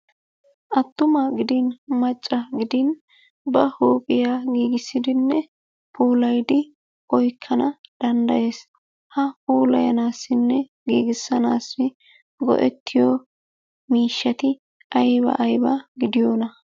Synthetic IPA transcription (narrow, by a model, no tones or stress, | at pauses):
ʔɐt̪ːʊmɐɡɪd̪ɪnmɐt͡ʃʼːɐɡɪd̪ɪn | bɐhuːpʼɪjaːɡiːɡɪsːɪd̪ɪnːɛ | pʰuːlɐjd̪ɪ | ʔɔjkʰːɐnɐd̪̥ɐnd̪ɐ̰je̞ːs | hɐpuːlɐ̰jɐ̰naːsːɪnːɛ | ɡiːɡɪsːɐnaːsːɪ | ɡɔ̰ʔɛt̪ːɪjɔ | miːʃːɐt̪ɪ | ʔɐjbɐ̰ʔɐjbɐɡɪd̪ɪjoːnɐ